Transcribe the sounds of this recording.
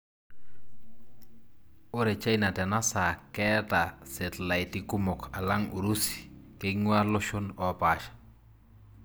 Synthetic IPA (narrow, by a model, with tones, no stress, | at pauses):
o˦ɾɛ˨t͡ʃa˦i˨na˨tɛ˨na˦sa˨kɛ˦ta˨sɪ˨tla˨jtɪ˦kʊ˦mo˨kʰa˨la˦ŋu˨ɾu˦si̥˨ke˦ŋwa˦lʊ˦ʃo˦nɔ˨pa˨ʃḁ˨